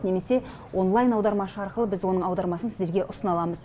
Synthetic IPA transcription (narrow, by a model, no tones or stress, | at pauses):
ne̞me̞se̞ | wʔo̞nlˠajnɑwd̪ɑɾmɑʃəɑɾqəlˠəbɪzwo̞nəɴɑwd̪ɑɾmɑsənsɪzd̪eɾɡʲeʔʊsənɑlˠɑməz